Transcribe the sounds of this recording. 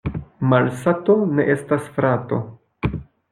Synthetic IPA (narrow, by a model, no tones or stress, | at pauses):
malsato̞ne̞ʔe̞stasfɾato̞̰